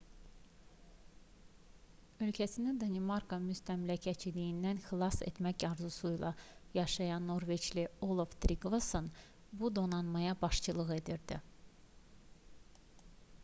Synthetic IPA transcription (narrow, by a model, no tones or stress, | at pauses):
ø̞lcʰæsinid̪ɑnimɑɾkʰomyst̪ʰæmlæcʰæt͡ʃʰid̪ijind̪ænxilˠɑse̞̰t̪mæcjɑɾzusujlˠɑ̰jɑʃɑjɑnːo̞ɾvet͡ʃliolˠoft̪ɾiɡvoson | bud̪o̞nɑnmɑjɑbɑʃt͡ʃʰɯlˠɯɣe̞d̪iɾd̪i